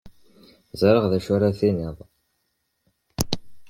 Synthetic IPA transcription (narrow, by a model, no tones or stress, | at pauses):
zˤɾˤəʁðæʃʊɾaθiniðˤ